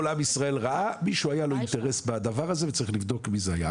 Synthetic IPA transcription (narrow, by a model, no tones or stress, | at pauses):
olamisʁae̞lʁaʔamiʃuajalo̞int̪eʁe̞sbad̪avaʁaze̞vet͡saʁiχlivd̪o̞kmizeaja̰